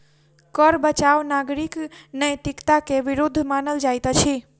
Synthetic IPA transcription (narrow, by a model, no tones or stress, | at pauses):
kəɾbət͡ʃaʋnaɡɾiknəjt̪ikt̪akeʋiɾud̪ʱːmanəld͡ʒajt̪ət͡ʃʰi